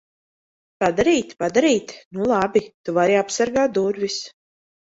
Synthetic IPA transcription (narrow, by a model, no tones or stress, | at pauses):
pad̪aɾiːt̪pad̪aɾiːt̪nulˠabit̪uvaɾiapsaɾɡaːt̪̚d̪uɾvis